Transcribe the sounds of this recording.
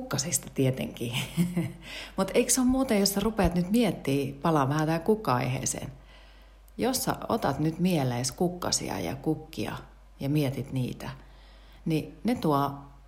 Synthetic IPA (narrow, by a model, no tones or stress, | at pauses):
ukːɑsist̪ɑ̥t̪iet̪ḛŋkiː | mut̪eiksommuːt̪ejjosːɑrupeɑt̪nyt̪miet̪ːiːpɑlɑʋʋæhæt̪æːŋkukːɑɑ̰ihḛːsḛːn | josːɑ̰o̰t̪ɑt̪nyt̪mieleiskukːɑ̰sḭɑ̰jɑ̰kukːḭɑ̰ | jɑmiet̪it̪nḭːt̪æ | ninet̪uɔ